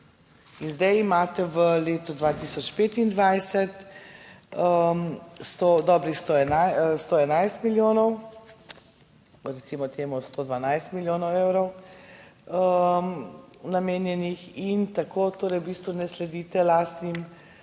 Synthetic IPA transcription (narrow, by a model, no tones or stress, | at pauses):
inzd̪ɛjimaːt̪ɛʋəleːt̪ud̪ʋaːt̪isɔt͡ʃpeːt̪ind̪ʋajsɛt̪ | ə | st̪od̪ɔːbɾixst̪oɛnajst̪oɛnajst̪miljoːnɔw | ɾɛt̪simɔt̪eːmust̪od̪ʋanajst̪miljoːnɔwewɾɔw | ə | nameːnjɛnixint̪akʰot̪oːɾɛjwbiːst̪ʋunɛslɛd̪iːt̪ɛlaːst̪nim